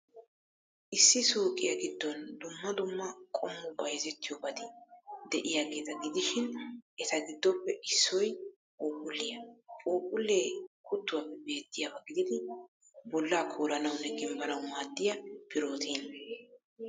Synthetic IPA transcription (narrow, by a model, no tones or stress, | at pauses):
ʔɪsːɪsuːkʼɪjɐɡɪd̪ːɔnd̪ʊmːɐd̪ʊmːɐkʼɔmːʊbɐjzɛt̪ːɪjɔbɐd̪ɪd̪ɛʔɪjaːɡe̞ːt̪ɐɡɪd̪ɪʃɪnʔɛt̪ɐɡɪd̪ːɔpːɛʔɪsːɔj | pʼoːpʼʊlːɪjɐpʼoːkʼʊlːeːkʊt̪ːʊwɐpːɛbe̞ːt̪ːɪjɐbɐɡɪd̪ɪd̪ɪ | bɔlːaːkʰoːɾɐnɐwnːɛɡɪmbɐnɐwmaːd̪ːɪjɐpɪɾoːt̪ʰiːn